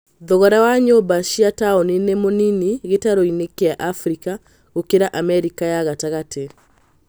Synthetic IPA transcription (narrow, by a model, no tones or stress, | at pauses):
ðɔɣaɾawaɲobaʃiataɔninemoniniɣetaɾoinekeaʔafɾika | ɣokeɾaʔamɛɾikajaɣataɣatʰe